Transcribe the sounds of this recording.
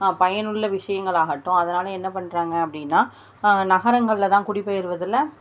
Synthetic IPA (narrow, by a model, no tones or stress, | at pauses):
pɐjɐnɯɭːɐʋɪʂɐjɐŋɡɐɭaːɣɐʈːʊ̃ɐðɐnaːlɐɛnːɐpɐɳːɾaːŋɡɐɐpːɐɽɪnːaː | nɐɣɐɾɐŋɡɐɭlɐt̪ãːkʊɽɪpːɐjɪɾɯʋɐðɪlːɐ